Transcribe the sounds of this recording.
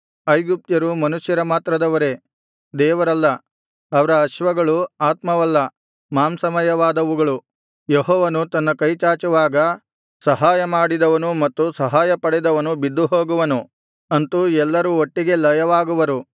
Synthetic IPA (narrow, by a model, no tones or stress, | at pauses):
ɐjɡup̚t̪jɐɾumɐnuʃjɐɾɐmaːt̪ɾɐd̪ɐʋɐɾe̞ | d̪ɛːʋɐɾɐlːɐː | ʋɐɾɐːʃʋɐɡɐɭuaːt̪mɐʋɐlːɐ | maːmsɐmɐjɐʋaːd̪ɐʋuɡɐɭu | jeɦɔːʋɐnut̪ɐnːɐkɐjt͡ʃaːt͡ʃuʋaːɡɐ | sɐɦaːjɐmaːɽid̪ɐʋɐnumɐt̪ːusɐɦaːjɐpɐɽɛd̪ɐʋɐnubid̪ːuɦoːɡuʋɐnu | ɐnt̪uɛlːɐɾuoʈːiɡe̞lɐjɐʋaːɡuʋɐɾu